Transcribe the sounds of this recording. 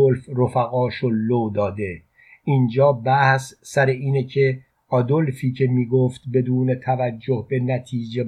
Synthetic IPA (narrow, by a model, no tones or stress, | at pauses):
olfrofæɣɒːʃolod̪ɒːd̪e̞ | iːnd͡ʒɒːbæhssæɾeiːnecʰe̞ | ɒd̪olfiːcʰe̞miːɡoft̪be̞d̪uːnet̪ʰævæd͡ʒːohbe̞næt̪ʰiːd͡ʒe̞